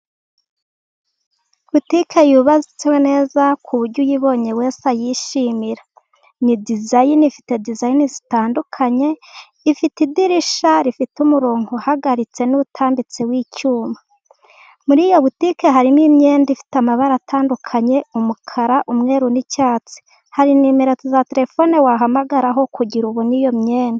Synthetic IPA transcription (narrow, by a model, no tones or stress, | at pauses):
βutikʰejuβazit͡sewene̞ːzakʰuβuɾɟujiβo̞ːɲe̞we̞ːsajiʃimiɾa | nidizajinifi̥te̞dizajinizitaːndukʰaɲe̞ | ifitidiɾiʃaɾifitumuɾo̞ːŋɡohaɡaɾit͡se̞nutʰaːmbit͡sewiːcuːma | muɾiːjo̞βutikeɦaɾimimɲe̞ːndifi̥tamaβaɾatʰaːndukʰaɲe̞umukʰaɾaʔumŋe̞ːɾunicaːt͡si̥ | haɾinimeɾet͡sizateɾe̞fo̞newaɦamaɡaɾaɦo̞kuɟiɾuβonijo̞mɲeːndi